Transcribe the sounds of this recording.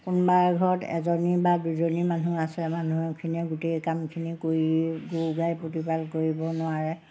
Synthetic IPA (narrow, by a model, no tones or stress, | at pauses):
kunbaɹɡʱɔɹɔtɛ̰zɔnibaduzonimanuasɛmanuɛkʰiniɛɡutejkamkʰinikoɹiɡuɡajpotipalkoɹibɔnʊaɹɛ